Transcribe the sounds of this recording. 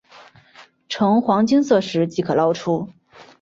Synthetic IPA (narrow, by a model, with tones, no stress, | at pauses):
ʈ͡ʂʰɤ˧˥ŋxwɑ˧˥ŋt͡ɕi˥ŋsɤ˥˩ʂɻ̩˧˥t͡ɕi˧˥kʰɤ˨˩lɑ˥ʊʈ͡ʂʰu˥